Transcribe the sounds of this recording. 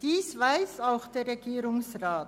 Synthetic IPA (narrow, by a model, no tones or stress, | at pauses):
d̥iːsvaɪsaʊxd̥eːɐɾʁeɡiːɾʊŋsʁaːt